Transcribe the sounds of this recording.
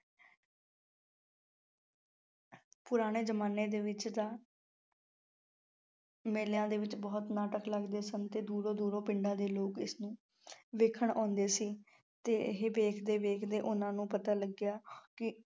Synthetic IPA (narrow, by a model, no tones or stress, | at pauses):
pʊɾaːɽ̃eːd͡ʒəmaːneːd̪eːʋɪt͡ʃt̪ãː | meːljãːd̪eːʋɪt͡ʃbɔːt̪naːʈəkləɡd̪eːsənt̪eːd̪uːɾõːd̪uːɾõːpɪɳɖãːd̪eːloːkɪsnũː | ʋeːkʰəɳɔ̃ːnd̪eːsiː | t̪eːɦeːbeːkʰd̪eːʋeːkʰd̪eːʔʊnãːnũːpət̪aːləɡjaːkɪ